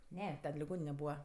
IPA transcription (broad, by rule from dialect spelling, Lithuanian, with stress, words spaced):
ˈnʲɛ ˈtʲɛn lʲɪˈɡoːnʲɪnʲɛ ˈbuːʋɐ